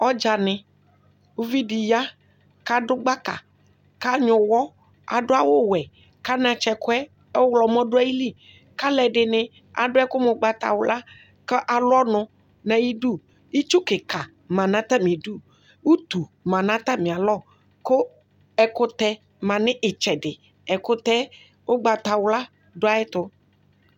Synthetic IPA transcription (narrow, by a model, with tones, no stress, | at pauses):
ɔ˦d͡ʒa˨nɪ̃˨ | wu˦vi˦ɖi˨ja˦ | ka˦dʊ˦ɡ͡ba˦ka̰˨ | ka˦ɲʊ̃˨wɔ˦ | a̰˨ɖʊ˦a˦wo˦wɛ˨ | ka˦nã˨t͡ʃɛ˨kʊ˦ɛ˦ | ɛ˦wlɔ˨mɔ̃˦ɖʊ˦a˦ji˦li˦ | ka˦lɛ˨ɖɪ˨nɪ̃˦ | a̰˨ɖʊ˦ɛ˦kʊ˦mʊ˨ɡ͡ba˨t̪a̰˨wʊ˨la˦ | kɛ˦ʔa˨lɔ˦nʊ̃˨ | nã˨ji˦ɖu˦˨ | i˦t͡ʃu˦kɪ˨ka˨ | mã˨nã˦t̪a˦mĩ˨ɖu˦˨ | wu˦t̪u˨mã˨nã˦t̪a˦mĩ˨a˨lɔ˦˨ | ko˦ | ɛ˨kʊ˦t̪ɛ˦ | mã˨nɪ̃˦ʔɪ˨t͡ʃɛ˨ɖɪ˨ | ɛ˨kʊ˦t̪ɛ˦ | wo˦ɡ͡ba˨t̪a˨wla˦ | ɖʊ˦a˦ɪ˦t̪ʊ˦